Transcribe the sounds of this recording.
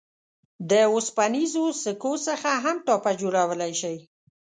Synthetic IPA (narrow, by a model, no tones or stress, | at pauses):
d̪əospanizosəkosəxaɦamʈɑpad͡ʒoɽawəlajʃəj